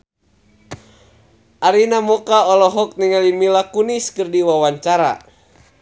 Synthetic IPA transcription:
ʔaɾinamɔkaɔlɔɦɔk̚niŋalimilakuniskɨrdiwawaɲt͡ʃaɾa̰

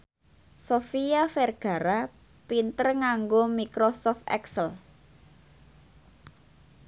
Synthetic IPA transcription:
sofiafɛrɡ̥a̤ɾa | pint̪ərŋaŋɡomikɾosɔft̪ɛ̰ksəl

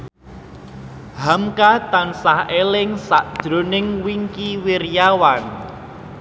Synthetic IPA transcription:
hamkat̪ansahelɪŋsaʔd̥ʒ̥ɾo̤nɪŋwiŋkiwirjawan

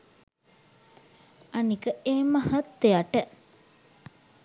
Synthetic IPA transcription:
anikəeːmaɦat̪ːejaʈə

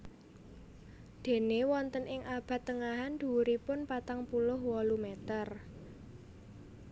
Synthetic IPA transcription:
d̪̥e̤newɔnt̪ənʔɪŋʔab̥a̤t̪ːəŋaɦand̪̥uɾipʊnpat̪aŋpulʊɦwɔlumet̪ər

